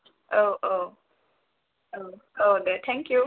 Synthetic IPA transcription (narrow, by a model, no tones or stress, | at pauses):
ʔoʔo | oʔodɛt̪ʰɛ̃ŋkju